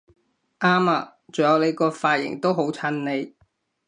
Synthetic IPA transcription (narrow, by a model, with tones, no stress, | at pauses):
ʔaː˥maː˨˧ | t͡so˨ŋjɐ˨˧wne˨˧jkɔː˧faː˧t̚jɪ̰˨˩ŋt̪o˥wɦo˨˥wt͡sʰɐ˧˥nne˨˧j